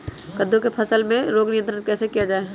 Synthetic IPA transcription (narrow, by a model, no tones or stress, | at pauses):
kəd̪ʱõkepʰɐsəlmẽɾoːɡnɪjə̃nt̪ɾənkɛːsekijad͡ʒaːeː